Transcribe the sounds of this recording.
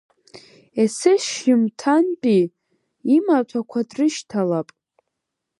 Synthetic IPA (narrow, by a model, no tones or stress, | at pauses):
esɪʃɪmtʰanpʼi | imat͡ʃʷʰakʷʰadrɨʃtʰalapʼ